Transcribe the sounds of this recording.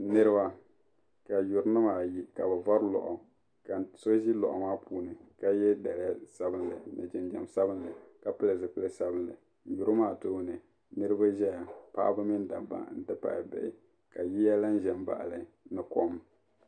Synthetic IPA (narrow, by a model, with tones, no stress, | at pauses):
nɨ˦ɾɨ˦ba˦ | ka˨ju˨ɾnɨ˦maː˨ji˦ka˨bɛ˨va˦ɾlɔ̰˨ʔɔ˨ | ka˨so˦ʒi˦lɔ̰˨ʔɔ˨maː˦pʰuː˨nɨ˨ka˦jɛ˦da˨la˦sa˦bɨ˦nlɨ˨nɨ̰˨d͡ʒɪ˨nd͡ʒa̰˨msa˦bɨ˦nlɨ˨ka˨pɨ˦lɨ˨zɨ˨pɨ˦lɨ˦sa˦bɨ˦n˨lɨ˨˦ | ju˨ɾɨ˦maː˦˨toː˦nɨ˨ | nɨ˦ɾɨ˦ba˦ʒɛ˦ja˨pa̰ː˦bɨ˦mi˦n˦da˨ba̰˨ŋn̩˦tɨ˦pa̰˨ɪ̰˨bɛ̰˦˨ʔɪ˨ | ka˨ji˦ja˦la˦n̩˦ʒɛ˨mba̰˨ʔa˨lɨ˨ | nɨ˨kɔ˦m